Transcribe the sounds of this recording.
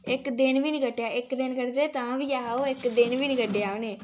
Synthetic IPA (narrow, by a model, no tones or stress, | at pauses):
ɪkd̪ɪnbiːniɡəʈːjaːɪkd̪ɪnkəɾd̪eːt̪ãːbiːjaːoːɪkd̪ɪnʋiːniɡəɖejaːoneː